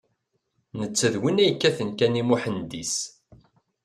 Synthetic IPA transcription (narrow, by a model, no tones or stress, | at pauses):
nət͡sːəðwinæjəkːæθənkænimuħənd̪is